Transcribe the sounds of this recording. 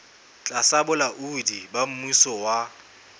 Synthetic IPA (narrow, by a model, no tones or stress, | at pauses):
t͡ɬʼasabʊlaʔudibam̩musɔwa